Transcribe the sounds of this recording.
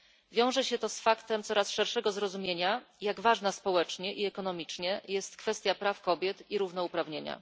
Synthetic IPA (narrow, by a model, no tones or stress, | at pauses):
vʲjɔ̃w̃ʐɛɕɛt̪ɔsfakt̪ɛmt̪sɔɾasʂɛɾʂɛɡɔzɾɔzumʲjeɲajaɡvaʐnaspɔwɛt͡ʂɲɛʔiɛkɔnɔmʲit͡ʂɲɛjɛst̪kfɛst̪ʲjapɾafkɔbʲjɛt̪iɾuvnɔupɾavɲeɲa̰